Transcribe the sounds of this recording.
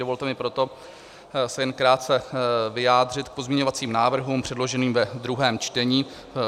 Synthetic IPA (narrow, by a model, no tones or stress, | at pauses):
dovo̞lt̪ɛmɪpɾo̞t̪o̞ | sɛjɛnkɾaːt̪̚t͡sɛvɪjaːd̪r̝ɪt̪k̚po̞zmɲɛɲo̞vat͡siːmnaːvr̩ɦuːmpr̝̥ɛdlo̞ʒɛniːmvɛd̪ɾuɦɛːmt͡ʃt̪ɛɲiː